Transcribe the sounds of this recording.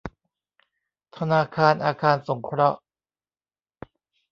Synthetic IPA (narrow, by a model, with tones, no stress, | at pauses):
t̪ʰa˧naː˧kʰaː˧nʔaː˧kʰaː˧nso˩˦ŋkʰɾɔ˦˥ʔ